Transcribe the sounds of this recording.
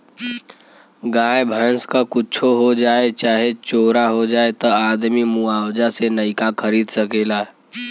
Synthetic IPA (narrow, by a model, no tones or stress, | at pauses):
ɡaːjbʱãnskakʊt͡ʃʰoɦod͡ʒaːet͡ʃaːɦet͡ʃoːɾaɦod͡ʒaːet̪əaːd̪mimuaːwd͡ʒasenəɪkakʰəɾiːd̪səkeːlaː